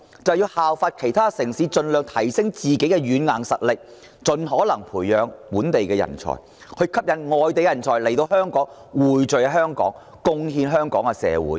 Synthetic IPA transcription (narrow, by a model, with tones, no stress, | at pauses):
t͡sɐ˨wjiː˧whaː˨wfaː˧t̚kʰe˨˩jt̪ʰaː˥sɪ˨˩ŋsiː˨˥t͡ʃɵ˧nlœː˨ŋt̪ʰɐ˨˩jsɪ˥ŋt͡siː˨ke˨˥jkɛ˧jyː˨˥nŋaː˨˩ŋsɐ˨t̚lɪ˨k̚ | t͡ʃɵ˨˧nɦɔː˨˥lɐ˨˩ŋpʰuː˨˩jːœː˨˧ŋpuː˨˥nt̪e˨jkɛː˧jɐ̰˨˩nt͡ʃʰɔ̰ː˨˩j | kʰɵ˧ɥkʰɐ˥p̚jɐ˨˩nŋɔː˨jt̪e˨jjɐ˨˩nt͡ʃʰɔː˨˩jle˨˩jt̪o˧whœː˥ŋkɔː˨˥ŋ | wuː˨˩jt͡ʃɵ˨jɐ˧ɦœː˥ŋkɔ̰ː˨˥ŋ | kʊ˥ŋɦiː˧nɦœː˥ŋkɔː˨˥ŋɛ˧sɛ̰ː˨˧wṵ˨˥j